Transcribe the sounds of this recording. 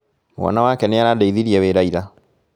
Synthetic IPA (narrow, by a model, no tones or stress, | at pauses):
mwɔ̰nawakɛnɛaɾadeiðiɾiɛweɾaiɾa